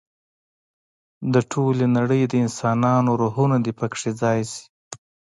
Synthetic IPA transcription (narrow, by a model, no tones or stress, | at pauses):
d̪əʈʰolenaɽəjd̪əɪnsɑnɑnoɾuɦunad̪ipəkʂed͡zɑjsi̥